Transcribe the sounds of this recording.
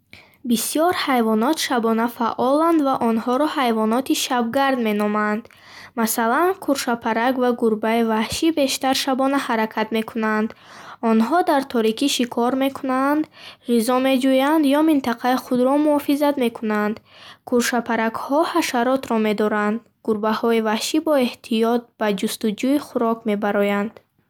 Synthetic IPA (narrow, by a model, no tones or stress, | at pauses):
bisijɔɾhajvɔnɔt̪ʃabɔnafaʔɔland̪vaʔɔnhɔɾɔhajvɔnɔt̪ʰiʃab̚ɡaɾd̪me̞nɔmand̪ | masalankʰuɾʃapʰaɾakvaɡuɾbaivahʃibe̞ʃt̪aɾʃabɔnahaɾakʰat̪me̞kʰunand̪ɔnɦɔd̪aɾt̪ʰɔɾikʰiʃikʰɔɾme̞kʰunand̪ʁizɔme̞d͡ʒujand̪jɔmint̪ʰaqʰaiχud̪ɾɔmuɔfizad̪me̞kʰunand̪kʰuɾʃapʰaɾakhɔhaʃaɾɔt̪ɾɔme̞d̪ɔɾand̪ | ɡ̥uɾbahɔivahʃibɔe̞ht̪ʰijɔt̪̚bad͡ʒust̪ud͡ʒuiχuɾɔkme̞baɾɔjand̪̥